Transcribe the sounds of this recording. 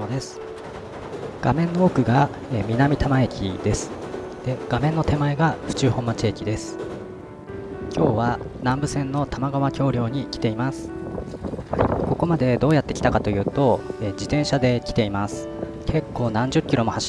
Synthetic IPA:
od̪e̞sɨ̥ | ɡ̥amẽ̞nːo̞okɯ̟ɡa | mʲinamʲit̪amae̞kʲḭd̪e̞sɨ̥ | d̪̥e̞ɡ̥amẽ̞nːo̞t̪e̞maeɡaɸɯ̟̥t͡ɕɨːhõ̞mːat͡ɕiekʲid̪e̞sɨ̥ | kʲo̞ːβanãmbɯ̟sẽ̞nːo̞t̪amaɡaβakʲo̞ːɾʲjo̞ːɲ̟ikʲi̥t̪e̞imasɨ̥ | ko̞ko̞mad̪e̞d̪o̞ːjat̪ːe̞kʲi̥t̪akat̪o̞jɯ̟ːt̪o̞ed͡ʑit̪ẽ̞ɰ̃ɕad̪e̞kʲi̥t̪e̞imasɨ̥ | kʰe̞kːo̞ːnãɲ̟d͡ʑɨkʲːiɾo̞mo̞haɕ

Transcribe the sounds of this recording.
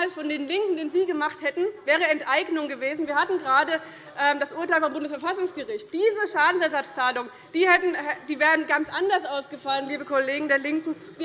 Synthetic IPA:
alsfɔndeːnlɪŋkŋ̩deːnziːɡəmaχthɛtn̩vɛːʁ̞əɛntʔaɪɡnʊŋɡəveːzn̩viːɐhatn̩ɡəʁaːdə | ʔɛːmdasʔuːɐtaɪlfɔmbʊndəsfɛɐfasʊŋsɡ̥əʁɪçt̚d̥iːzəʃaːdn̩sɛɐzat͡st͡saːlʊŋ | d̥iːhɛtn̩ɛd̥iːvɛːʁənɡant͡sʔandɐsʔaʊsɡ̥əfalənliːbəkʰɔleːɡŋ̩deːɐlɪŋkŋ̩ | ziː

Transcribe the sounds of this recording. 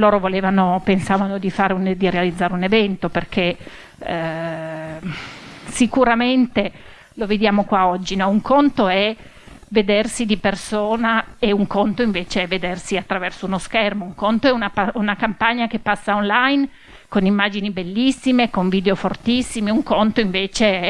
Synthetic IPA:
loːɾovoleːvanopensaːvanod̪ifaːɾeund̪iɾealid̪zːaːɾeunevɛnt̪operkʰe | sikuɾament̪e | loved̪jaːmokwaɔd͡ʒːinɔuŋkʰont̪oɛ | ved̪ersid̪ipersoːnaeuŋkont̪oiɱveːt͡ʃeɛved̪ersiat̪ːɾavɛrsounoskɛrmouŋkont̪oɛunapaunakampaɲːakepːasːaonlajn | konimːaːd͡ʒinibelːisːimekoɱviːd̪eofort̪isːimeuŋkont̪oiɱveːt͡ʃe

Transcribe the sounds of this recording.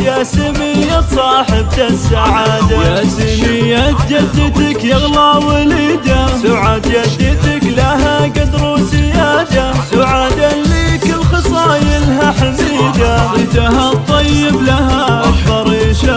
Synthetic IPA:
jaːsimɪjːasˤɑːħɪb̚t̪asaʕaːd̪ajasimɪjːat̪̚d͡ʒad̪ːɪt̪akjɪɣlawaliːd̪asaʕad̪jad̪ːɪt̪aklaɦaɡad̪ɾˤusɪjaːd̪asaʕad̪aliːkɪlxɑsˤɑːjɪlɦaħamiːd̪aɪt̪aɦat̪ˤːɑjːɪblahaʔfɑɾˤiːʃa

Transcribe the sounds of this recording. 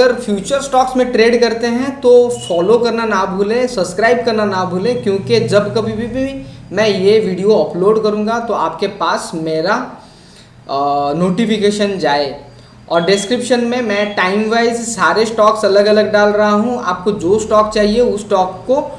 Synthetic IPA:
ɐəɾfʰjuːt͡ʃəɾsʈɔːksmẽʈɾeːɖkɐɾt̪eɦɛ̃t̪ofɔːlokɐɾnanabʱuːlẽsɐbskɾaːɪb̚kɐɾnanabʱuːlẽkjõːked͡ʒɐbkɐbʱibʱibʱimɛ̃jeʋiːɖijoɔːploːɖkɐɾũːŋɡat̪oaːp̚kepaːsmeːɾa | noːʈifɪkeːʃənd͡ʒaːe | ɔːɾɖɪskɾɪpʃənmẽmɛ̃ːʈaːɪmʋaːɪzsaːɾesʈɔːksɐləɡɐləɡ̚ɖaːlɾɐɦaɦũa̰ːp̚kod͡ʒoːsʈɔːkt͡ʃaːɦieʊsːʈɔːkːo

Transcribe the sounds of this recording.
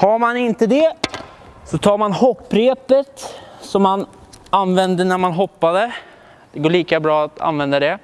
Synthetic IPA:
haɾmanɪnt̪əd̪ɛ | sɔt̪ʰɑːɾmanhɔpːɾeːpət̪sɔmːananvɛnd̪ənæɾmanɦɔpːad̪ə | d̪̥ɛɡoːɭiːkabɾɑːat̪ʰa̰nvɛnd̪ad̪ɛ

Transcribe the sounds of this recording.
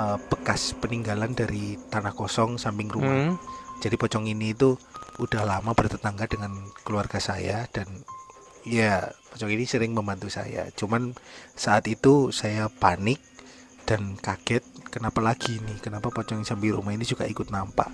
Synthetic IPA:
əb̥əkaspəniŋɡalandaɾit̪anahkɔsɔŋsampɪŋrumad͡ʒ̥adipɔt͡ʃɔŋiniːt̪uud̥ahlamabərt̪ət̪aŋɡadəŋankəluarɡasajad̥an | japɔt͡ʃɔŋinisəɾɪŋməmbant̪usa̰ja̰t͡ʃumansaʔat̪it̪usajapanɪk̚ | d̥ankaɡ̥ɛt̪̚kənapalaɡ̥inɪhkənapapɔt͡ʃɔŋsampɪŋɾṵmahinid͡ʒuɡa̰ikʊt̪̚nampa̰ʔ

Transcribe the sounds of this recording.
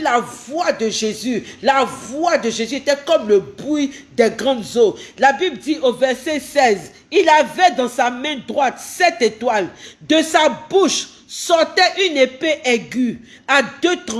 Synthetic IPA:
lavwad̪əʒezylavwad̪əʒezyet̪ɛkɔmləbʁid̪ɛɡʁɑ̃d̪zolabibld̪iʔovɛʁsɛsɛz | ilavɛd̪ɑ̃samɛ̃d̪ʁwat̪sɛt̪et̪wald̪əsabuʃ | sɔʁt̪ɛʔynepeʔeɡy | ad̪øt̪

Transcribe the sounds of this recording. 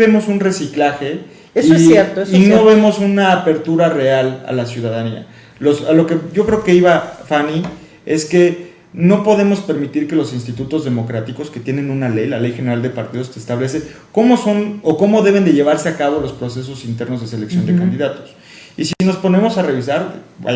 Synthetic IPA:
emo̞sunre̞siklaxe̞ | esiejeɾt̪oesino̞βe̞mo̞sunaːpe̞ɾt̪uɾare̞ala̰lasjuð̞aðania̰ | lo̞salo̞ke̞ɟ͡ʝo̞kɾe̞oke̞iβafani | e̞ske̞ | no̞po̞ðe̞mo̞spe̞ɾmit̪iɾke̞lo̞sinst̪it̪ut̪o̞zðe̞mo̞kɾat̪iko̞ske̞t̪je̞nẽ̞nũnale̞jlale̞jxe̞ne̞ɾald̪e̞paɾt̪ið̞o̞st̪eːst̪aβle̞s̬e | ko̞mo̞so̞noko̞mo̞ðe̞β̞e̞nd̪e̞ʝe̞β̞aɾse̞akaβolo̞spɾo̞se̞s̬o̞sint̪e̞ɾno̞zðe̞s̬e̞le̞ksjond̪ekand̪iðat̪o̥s | isiino̞spo̞ne̞mo̞sare̞β̞isaɾba̰

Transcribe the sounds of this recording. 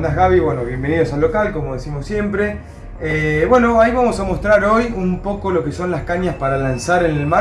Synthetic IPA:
nd̪aɣaβiβwenoβje̞mbe̞nið̞o̞salːo̞kalko̞moð̞esimosje̞mpɾe̞ | eβwe̞no̞aiβamosamo̞st̪ɾaɾo̞jumpo̞ko̞lo̞ke̞so̞nlaskaɲaspaɾalansaɾene̞lma

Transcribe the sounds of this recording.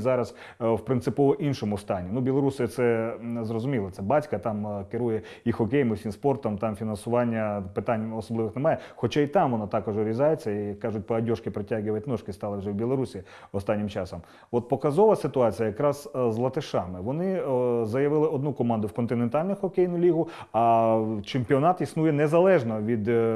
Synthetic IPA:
zɑɾɐs | wpɾɪnt̪sɪpɔʋɔʔinʃɔmʊst̪ɑnʲinubʲilˠɔɾusɪt̪sɛzrɔzʊmʲilˠɔt̪sɛbɑtʲkɐt̪ɑmkɪɾujɛ | ixɔkʲejmɪwsʲimspɔrt̪ɔmt̪ɑmfʲinɐnsʊʋɑnʲːɐpɪt̪ɑnʲɔsɔblˠɪʋɪxnemɑjɛxɔt͡ʃait̪ɑmʋɔnɑt̪ɑkɔʒɔɾʲizɑjet͡sʲːɐikkːɑʒʊt̚ʲpɐɐdʲɔʂkɪpɾetʲaɣɪʋɐtʲnɔʃkɪst̪ɑlˠɪwʐɛwbʲilˠɔɾusʲi | ɔst̪ɑnʲːɪmt͡ʃɑsɔm | ɔt̪̚pɔkɐzɔʋɐsɪt̪ʊɑt͡sʲijɐjɐkɾɑz̥zlˠɐt̪ɪʃɑmɪʋɔnɪzɐjɐʋɪlˠɪɔd̪nukɔmɑnd̪ʊwkɔnt̪ɪnent̪ɑlʲnʊxɔkʲɛjnʊlʲiɦʊ | ɐt͡ʃemʲpʲiɔnɑt̪isnujɛnezɐlˠɛʒnɔʋʲid̪

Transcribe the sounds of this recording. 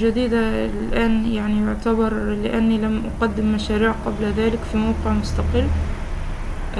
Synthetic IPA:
d͡ʒad̪iːd̪alʔaːnjaʕnijʊʕt̪abɑɾˤlɪʔanːilamʔʊqad̪ːɪmːaʃaːɾiːʕqɑblaðaːlɪkfimawqɪʕmʊst̪ɑqɪlː

